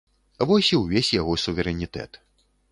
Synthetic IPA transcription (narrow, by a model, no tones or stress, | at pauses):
vɔsʲiwvʲesʲjaɣɔsuvʲɛɾɛnʲit̪ɛ̰t̪